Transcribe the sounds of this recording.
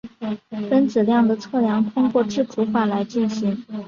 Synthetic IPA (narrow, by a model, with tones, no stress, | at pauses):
fə˥nt͡sɹ̩˨˩ljɑ˥˩ŋd̪ə˩t͡sʰɤ˥˩ljɑ˧˥ŋt̪ʰʊ˥ŋkwɔ˥˧ʈ͡ʂɻ̩˥˩ʈ͡ʂu˧˥xa˥˩la˧˥ɪt͡ɕi˥˩nɕi˧˥ŋ